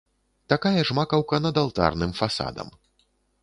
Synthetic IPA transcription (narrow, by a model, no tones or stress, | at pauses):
t̪akajɐʐmakɐwkɐnɐd̪alˠt̪a̰rnɨmfasa̰d̪ɐ̰m